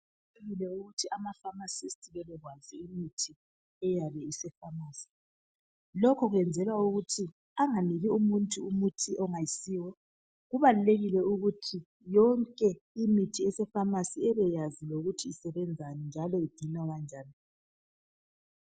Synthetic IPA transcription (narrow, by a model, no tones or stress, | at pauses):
leɣilɛuɣutʰiamafamasistʰʼiɣɛlɛɣwaziimitʰi | ɛjaβɛisɛfamaːsi̥ | lɔkʰɔɣwɛnd͡zʱɛlwauɣutʰi | aŋaniɣiumuntʼuumutʰiʔɔŋajisiːwɔ | ɣuβaluleɣilɛuɣutʰi | jɔŋkʼɛ | imitʰiɛsɛfamasiɛβɛjaziloɣutʰiːsɛβɛnd͡zʱanɛnd͡ʒʱalɔid̥ʱinaɣand͡ʒʱaːni